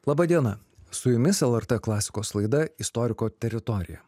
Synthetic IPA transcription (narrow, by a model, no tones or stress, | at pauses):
lˠɑːbɐd̪ʲiɛnɐ | sʊjʊmʲɪsɛlˠɛɾt̪ɛklˠɑːsʲɪ̥koːslˠɐɪd̪ɐɪst̪ɔɾʲɪkoːt̪ʲɛɾʲɪt̪ɔɾʲɪ̰jɛ̰